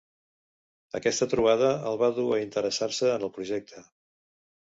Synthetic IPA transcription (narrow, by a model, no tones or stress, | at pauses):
ə̰kɛst̪ət̪ɾuβ̞aðəəlˠβaðuəint̪əɾəsaɾsəːnəlˠpɾuʒɛk̚t̪ʰə